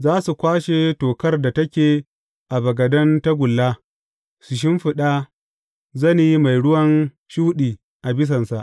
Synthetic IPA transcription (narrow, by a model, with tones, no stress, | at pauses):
zaː˦su˨kʷaː˦ʃe˨toː˨kɐ˦rda˨tɐ˦kʲeː˨ | ʔa˨bɐ˨ɡɐ˨dɐ˦nta˦ɡʷʊ˨lːaː˦ | sʊ˨ʃ̬ɪ˦mɸɪ˨ɗa˦ | zɐ˦ni˦ma˨jɽʊ˦wɐ˦n | ʃu˦ɗiː˨ | ʔa˨bɪ˦s̬ɐ˨nsa˨ʔ